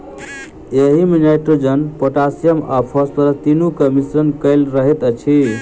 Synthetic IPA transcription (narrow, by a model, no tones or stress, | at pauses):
eɦimenaʈɾod͡ʒənpəʈasijəmapʰəspəɾət̪inukəmisɾənkəɪlɾəɦɛt̪ət͡ʃʰi